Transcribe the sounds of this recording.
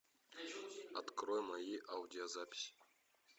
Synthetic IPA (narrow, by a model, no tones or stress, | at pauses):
a̰t̪kɾojmajiʔaudʲiozapʲi̥sʲi̥